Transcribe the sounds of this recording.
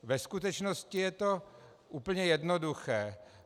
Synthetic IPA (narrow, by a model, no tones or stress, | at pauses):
vɛskut̪ɛt͡ʃnoscɪjɛt̪o | ʔuːpl̩ɲɛjɛdnoduxɛː